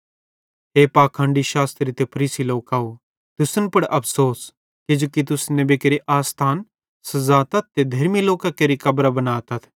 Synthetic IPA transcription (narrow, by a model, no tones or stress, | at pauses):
ɦeːpaːkʰãːɳɖiʃaːst̪ɾit̪epʰɐɾiːsiloːkaːo | t̪ʊsənpɐɽʔɐpʰsoːs | kɪd͡ʒoːkit̪̬ʊsnẽbekeɾiʔaːst̪ʰaːn | sɐzaːt̪ɐt̪̚t̪ed̪ʱɐɾmiloːkakeɾikɐbɾabɐnaːt̪ɐt̪ʰ